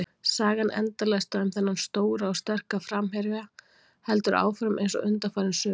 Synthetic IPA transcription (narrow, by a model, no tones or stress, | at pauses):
saːɣanʔɛ̰nt̪alɛst̪aɛmθɛnːanst̪oːwɾaawst̪ɛr̥kafɾamɦɛɾvɪa | hɛlt̪ʏɾʔa̰ːwfɾʏmʔḛjnsɔ̰ʔʏnt̪afaːɾɪnsʏː